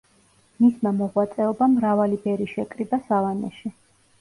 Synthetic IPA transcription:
mismamɔʁwat̪sʼɛɔbamɾavalibɛɾiʃɛkʼɾibasavanɛ̰ʃi

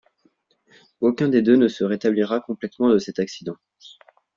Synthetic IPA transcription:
okʲɛ̃d̪ed̪ønəsəʁet̪abliʁakɔ̃plɛt̪mɑ̃d̪əsɛt̪aksid̪ɑ̃

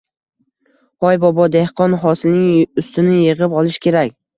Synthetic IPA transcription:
hɒjbɒbɒd̪e̞hqʰɒnɦɒsɪlnɪŋʊst̪ʰɪnɪjɨʁɨpɒlˠɪʃkʲʰe̞ɾakʲ

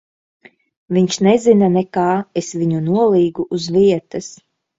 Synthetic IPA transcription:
viɲʲʃnɛzinanɛkaːesvʲiɲunuɔlˠiːɡuʔːzviɛt̪ɐs

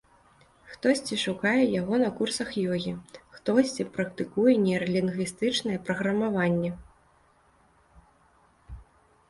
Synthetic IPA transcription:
xt̪ɔsʲt͡sʲiʂukajɛjaɣɔnɐkursɐxjɔɣʲixt̪ɔsʲt͡sʲipɾɐk̚t̪ɨkujɛnʲɛɾɛlʲinɣʲist̪ɨt͡ʂnɐjɛpɾɐɣɾɐmavanʲːɛ

